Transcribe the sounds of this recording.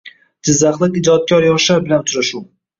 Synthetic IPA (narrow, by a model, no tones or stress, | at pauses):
d͡ʒɪzːaχlˠɪqɪd͡ʒɒt̪̚kʲʰɒɾjɒʃaɾbɪlanʊt͡ʃɾaʃu